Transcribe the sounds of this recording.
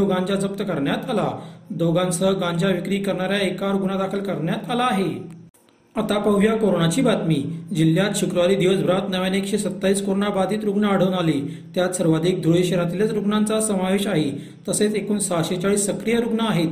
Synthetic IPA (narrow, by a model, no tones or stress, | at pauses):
oɡãɲd͡ʑad͡zəp̚t̪əkəɾɳjat̪alad̪oɡãnsəɡãɲd͡ʑaʋikɾiːkəɾɳaɾjaekaɾuɡɳad̪akʰəlkəɾɳjat̪alaːɦe | at̪apəʋjakoɾoɳat͡ɕiːbat̪miːd͡ʑiljat̪ɕukɾuʋaɾiːd̪iʋəsbʱɾat̪nəʋjaneekɕesət̪ːaiːskoɾoɳabad̪ʱiːt̪ɾuɡɳaːɽ̤əʋnali | t̪jat̪səɾʋad̪ʱiːk̚d̪ʱuɭjɕeɾat̪ilət͡sɾuɡɳant͡sasəmaʋeɕaɦi | t̪əset͡sekuːnsaɕet͡ɕaɭiːsːəkɾijəɾuɡɳaːɦet̪